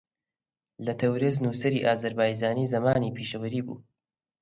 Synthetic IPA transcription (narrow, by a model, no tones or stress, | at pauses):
lɐt̪ʰɐwɾeznuːsɐɾiːʔaːzɐɾbaːjd͡ʒaːniːzɐmaːniːpʰiːʃɐwəɾiːbṵː